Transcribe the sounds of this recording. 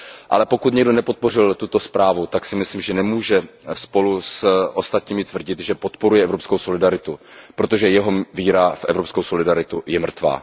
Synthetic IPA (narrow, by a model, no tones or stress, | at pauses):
ʔa̰lɛpo̞kut̪ɲɛɡdo̞nɛpot̪̚po̞r̝ɪlt̪ut̪o̞spɾaːvut̪aksɪmɪsliːmʒɛnɛmuːʒɛspo̞lusʔost̪at̪ɲiːmɪt̪vr̩ɟɪt̪ʒɛpo̞t̪po̞ɾujɛɛvɾopskowso̞lɪdaɾɪt̪upɾo̞t̪o̞ʒɛjɛɦo̞viːɾafʔɛvɾopskowso̞lɪdaɾɪt̪ujɛmr̩t̪va̰ː